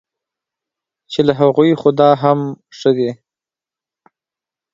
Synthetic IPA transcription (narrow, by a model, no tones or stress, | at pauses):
t͡ʃelaɦaɣujxʊd̪ɑɦam | ʂəd̪e